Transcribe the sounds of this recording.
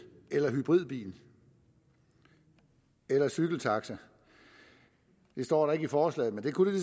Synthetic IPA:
elɐɦyb̥ʁið̞̰ˠb̥ḭːn̩ | elɐsyɡ̥l̩t͡sʰɑ̈ɡ̥sɐ | d̥e̝sd̥ɒ̰ːɾɑ̈e̝ɡ̥əifɒːslɛ̰ːð̩ˠmend̥e̝kʰud̥e̝d̥e

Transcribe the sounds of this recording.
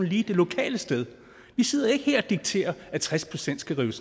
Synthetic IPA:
n̩liːd̥e̝lo̝kʰɛ̰ːləsd̥eð̞ˠ | ʋise̝ð̞̰ˠɐe̝ɡ̥əheɐ̰æd̥iɡ̥̚t͡sʰe̝̰ːɐæt͡sʰʁaspʰʁo̝sen̰d̥sɡ̥æʁiːʊs

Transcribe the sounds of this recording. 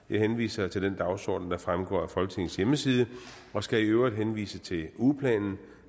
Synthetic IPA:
jɑ̈ɪhenʋḭːsɐt͡sʰe̝ld̥end̥ɑ̈ʊsɒ̰ːd̥n̩d̥ɑ̈fʁamɡ̥ɒ̰ːæfɒ̽lɡ̥ə̥t͡sʰe̝ŋ̰n̩sjeməsiːð̞ˠə | ɒ̽sɡ̥æiøʊʁid̥ɦenʋḭːsət͡sʰe̝upʰlɛ̰ːnn̩

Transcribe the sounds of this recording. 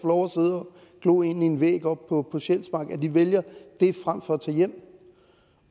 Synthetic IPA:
flɒʊɐseð̞ˠɐ | ɡ̥lɔ̰ːe̝nie̝nʋḛːɡ̥ɒ̽b̥̚pʰɒ̽pʰɒ̽ɕel̰smɑ̈ːɡ̥æd̥iʋeljɐd̥e̝fʁam̰fɒ̽æt͡sʰɛ̰ːjem̰

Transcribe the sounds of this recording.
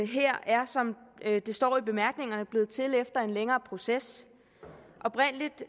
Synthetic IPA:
ɦeɐ̰æɐsɒ̽md̥e̝sd̥ɒ̰ːib̥e̝mæɐɡ̥ne̝ŋɐnəb̥le̝ːð̞̩ˠt͡sʰe̝lefd̥ɐe̝nleŋɐːpʰʁo̝ses | ʔɒ̽b̥ʁɛn̰əlid̥

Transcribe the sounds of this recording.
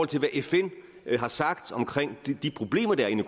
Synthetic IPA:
ɒl̰t͡sʰe̝lʋæʔefen̰ | ɦɑ̈sɑ̈ɡ̥d̥ɒ̽mkʰʁeŋ̰d̥d̥ipʰʁo̝b̥le̝̰ːmɐd̥ɑɐe̝nə

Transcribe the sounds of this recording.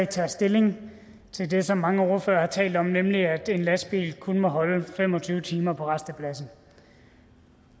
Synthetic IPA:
t͡sʰɛ̰ːsd̥e̝le̝ŋ | t͡sʰe̝ld̥e̝sɒ̽mːɑ̈ŋəo̝ɐføːɐhɑ̈t͡sʰɛ̰ːld̥ɒ̽mnemliæd̥e̝nlæsb̥ḭːlkʰunəmɒ̽ɦɒ̽ləfemɒ̽t͡sʰyːʊt͡sʰiːmɐpʰɒ̽ʁɑsd̥əpʰlæsn̩

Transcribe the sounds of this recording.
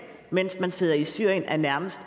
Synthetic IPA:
men̰smænse̝ð̞̰ˠɐisyɐ̰jənʔæɐnæɐməsd̥

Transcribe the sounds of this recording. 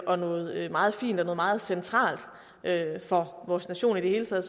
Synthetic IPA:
ʔɒ̽nɔ̽ːð̞̩ˠømɑ̈ːð̞̩ˠfḭːnd̥ɒnɔ̽ːð̩ˠmɑ̈ːð̞̩ˠsent͡sʰʁɑ̰̈ːld̥ | ʔøfɒ̽ʋɒːsnæɕo̝̰ːnid̥e̝he̝ːlət͡sʰɛ̰ːð̩ˠ

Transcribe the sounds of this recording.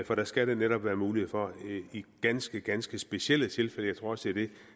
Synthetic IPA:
fɒ̽ɾ̥æsɡ̥æɾ̥eneɾɒ̽b̥ʋæːɐmuːliheðˠfɒ̽iɡ̥ænsɡ̥əɡ̥ænsɡ̥əsb̥e̝ɕiel̰ət͡sʰe̝lfel̰əjɑ̈ɪt͡sʰʁo̝ɐɒ̽səd̥e̝æɐd̥e̝

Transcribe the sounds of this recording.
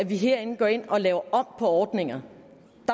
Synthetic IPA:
æʋiɦeɐ̰e̝n̩ɡ̥ɒe̝n̰ɒ̽lɛːʊɐʔɒ̽m̰pʰɒ̽ɒːd̥ne̝ŋɐ | d̥

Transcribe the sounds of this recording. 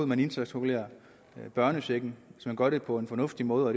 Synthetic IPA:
ð̩ˠmæne̝nse̥sʁoɡulḛːɐ | b̥ɶɐnəseɡ̥n̩ʋe̝smænɡ̥ɶɐɾe̝pʰɒ̽e̝nfɒ̽nɔ̽fd̥imɔ̽ːð̩ˠɒɾ̥

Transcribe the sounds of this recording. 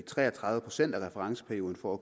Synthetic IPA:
it͡sʰʁɛ̰ːɐt͡sʰʁɑðˠðʋəpʰʁo̝̥sen̰d̥æʁɛfəʁɑ̈ŋsə̥pʰæɐio̝ːð̞ˠn̩fɒæ

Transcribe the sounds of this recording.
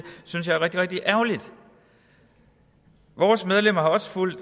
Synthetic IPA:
synsjɑ̈ɪɐʁɛɡ̥̚d̥iʁɛɡ̥̚d̥iʔæɐlid̥ | ʋɒːsmeð̞ˠlem̰ɐhɑ̈ɒ̽sə̥ful̰d̥

